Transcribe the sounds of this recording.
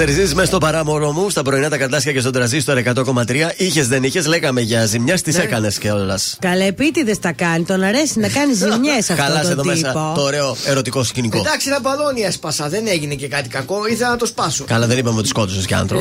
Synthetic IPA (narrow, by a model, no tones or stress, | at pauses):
eɾizisizmest̪o̞pɐɾɐmo̞lo̞must̪ɐpɾo̞inɐt̪ɐkɐɾd̪ɐsçɐcest̪o̞d̪ɾɐzist̪oɾekɐt̪o̞ko̞mɐt̪ɾiɐiçe̞zðeniçe̞zle̞ɣɐme̞ʝɐzimɲest̪isekɐne̞sceolɐskɐlepit̪iðest̪ɐkɐnit̪o̞nɐɾesinɐkɐnizzimɲesɐfkɐlɐseðomesɐpot̪oːɾeoe̞ɾo̞t̪iko̞scinikod̪ɐksinɐbɐðoniespɐsɐðeneʝinecekɐt̪ikɐko̞iθenɐt̪ospɐsukɐlɐðe̞nipɐmet̪isko̞t̪usesceɐ̰nt̪ɾop